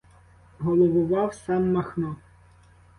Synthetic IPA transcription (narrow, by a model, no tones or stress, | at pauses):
ɦɔlˠɔʋʊʋɑwsɑmːɐxnɔ